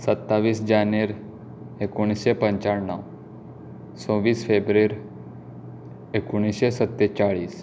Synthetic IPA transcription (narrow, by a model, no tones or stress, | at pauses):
sət̪ːaʋiːsd͡ʒaneɾ | ekuɽ̃isepə̃ɲt͡ʃaɽnəw | sõʋiːsfʰebɾeɾ | ekuɽ̃isesət̪ːet͡ʃaɭiːs